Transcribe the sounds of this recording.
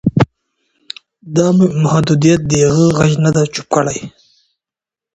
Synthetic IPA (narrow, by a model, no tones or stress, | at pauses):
d̪ɑmmahd̪ud̪ijat̪̚d̪əjaɣəɣaʒnad̪at͡ʃu̥p̚kəɽaj